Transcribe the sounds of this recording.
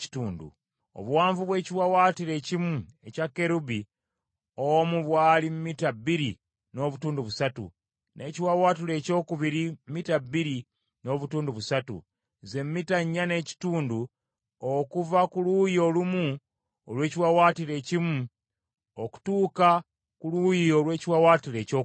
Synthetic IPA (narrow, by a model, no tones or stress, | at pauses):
i̥tuːndṵ | o̰βuwaːɱvuβwe̞ːciwawaːtiɾe̞cimue̞cakːe̞ɾubi | omuβwaːlimmitabːiɾi | no̞ːβutuːnduβusatṵ | nʔe̞̰ːciwawaːtile̞ːco̞ːkuβiɾimmitabiɾi | no̞ːβutuːnduβusatṵ | ze̞mːitaɲːane̞ːci̥tuːndu | okuvakulujolumu | olwe̞ːciwawaːtile̞ːcimu | oku̥tuːka | kulujiolwe̞ːciwawaːtiɾe̞ːco